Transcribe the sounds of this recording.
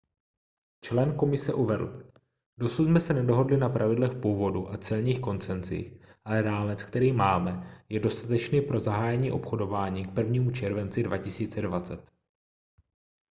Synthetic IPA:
t͡ʃlɛnko̞mɪsɛʔuvɛdl̩ | do̞sut̪smɛsɛnɛdo̞ɦo̞dlɪnapɾʔavɪdlɛxpuːvo̞duʔat͡sɛlɲiːxko̞nt͡sɛnt͡sḭːxʔalɛɾaːmɛt͡skt̪ɛɾiːmaːmɛjɛdo̞st̪at̪ɛt͡ʃniːpɾo̞zaɦaːjɛɲiːʔo̞pxo̞do̞vaːɲiːk̚pr̩vɲiːmut͡ʃɛɾvɛnt͡sɪdvacɪsiːt͡sɛdvat͡sɛt̪

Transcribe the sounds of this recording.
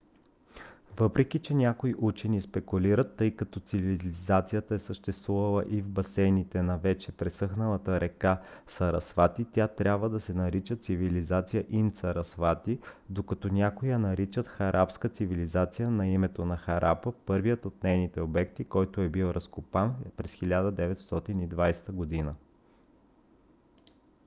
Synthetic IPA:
vɤpɾɛk̟it͡ʃɛnʲakoiʔut͡ʃɛnispɛkʊliɾət̪ːɤjkɐt̪ɔt̪sivilzat̪sijət̪əɛsəʃt̪ɛst̪vuvəlˠəʔivbɐsɛnit̪ɛnɐvɛt͡ʃɛpɾɛsɤxnəlˠət̪əɾɛkasɐɾɐsfat̪it̪ʲat̪ɾʲabvəd̪ɐsɛnɐɾit͡ʃət̪sivilizat̪sijəʔinsɐɾɐsfat̪id̪okɐt̪ɔnʲakʊjənɐɾit͡ʃət̪xɐɾʔapskət̪sivilizat̪sijənɐimɛt̪onɐxɐɾʔapəpɤɾvijət̪ot̪nɛjnit̪ɛobɛkt̪ikɔjt̪oɛbilˠɾʔɐskopanpɾɛsxilʲad̪əd̪ɛvɛt̪st̪ɔt̪inid̪vajst̪əɡod̪inə

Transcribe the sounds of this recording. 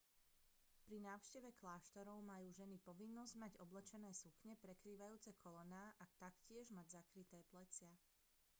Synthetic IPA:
pɾinaːʊʃcɛʋɛklaːʃt̪ɔɾɔʊmajuːʒɛnipɔʋinːɔzɟmaɟɔblɛt͡ʃɛnɛːsukɲɛpɾɛkɾiːʋajuːt͡sɛkʰɔlɔnaːʔat̪akcɪɛʒmaɟzakɾit̪ɛːplɛt͡sɪa

